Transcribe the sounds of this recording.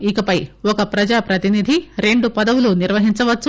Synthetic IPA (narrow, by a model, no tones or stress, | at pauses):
ikɐpɐjɔkɐpɾɐd͡ʒaːpɾɐt̪inid̪ʱiɾe̞ɳɖupɐd̪ɐʋuluniɾʋɐɦiɲt͡ʃɐʋɐː